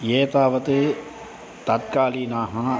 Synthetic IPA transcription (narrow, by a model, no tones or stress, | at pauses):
jeːt̪aːʋɐt̪e | t̪ɐt̪̚kaːliːnaːɦã